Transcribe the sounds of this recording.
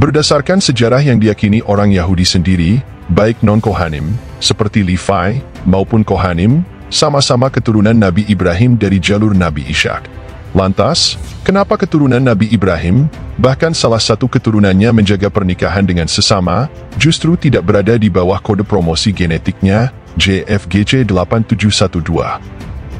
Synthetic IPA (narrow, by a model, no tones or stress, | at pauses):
bərdasarkansəd͡ʒaɾahjaŋdijakiniʔoɾaŋjaɦudisəndiɾi | baɪk̚nɔnkoɦanɪm | səpərt̪ilifaj | maupʊnkoɦanɪm | samasamakət̪uɾunanːabiʔibɾaɦɪmdaɾid͡ʒalʊrnabiʔḭʃa̰k̚ | lant̪askənapakət̪uɾunãnːabiːbɾaɦɪmbahkansalahsat̪ukət̪uɾunãnɲamə̃ɲd͡ʒaɡapərnikaɦandəŋansəsama | d͡ʒust̪ɾut̪idak̚bəɾadadibawahkodəpɾomosiɡɛnɛt̪ɪk̚ɲa | d͡ʒeʔɛfɡed͡ʒedəlapant̪ud͡ʒuhsat̪udua̰